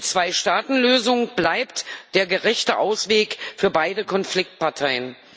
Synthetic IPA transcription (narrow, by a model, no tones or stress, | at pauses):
t͡sv̥aɪʃtaːtn̩løːzʊŋb̥laɪptd̥eːɐɡəʁɛçtəʔaʊsv̥eːkfyːɐbaɪdəkʰɔnflɪk̚t̚pʰaɐtʰaɪən